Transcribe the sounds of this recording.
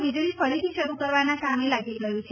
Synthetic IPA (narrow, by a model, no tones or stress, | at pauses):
ʋid͡ʒɭifəɾit̪ʰiʃəɾukəɾʋanasamelaɡilɡəjũt͡ʃʰe